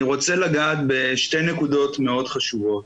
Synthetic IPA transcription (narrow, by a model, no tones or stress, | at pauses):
ʁo̞t͡selaɡaːt̪̚be̞ʃte̞jnekudo̞t̪me̞o̞d̪χaʃuvo̞t̚